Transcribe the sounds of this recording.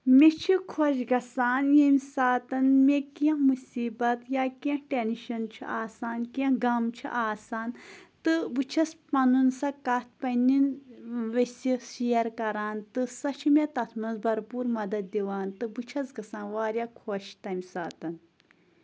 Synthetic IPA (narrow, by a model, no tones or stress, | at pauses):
mʲet͡ʃʰikʰoːʃɡɐsaːnjemʲsaːt̪ɐnmekɐ̃mɨsiːbɐt̪jaːkiɐ̃ʈenʃɐnt͡ʃʰḭʔaːsaːnkɐ̃ɡɐmt͡ʃʰḭʔaːsaːnt̪ɨbɨt͡ʃʰɐspɐnunsɐkɐt̪̚ʰpɐnʲinʋɐsʲiʃiɐɾkɐɾaːnt̪ɨsɐt͡ʃʰimʲet̪ɐt̪ʰmɐnzbɐɾpuːɾmɐd̪ɐd̪̚d̪iʋaːnt̪ɨbɨt͡ʃʰɐsɡɐsãːnʋaːɾʲjaːkʰoʃt̪ɐmʲsaːt̪ɐn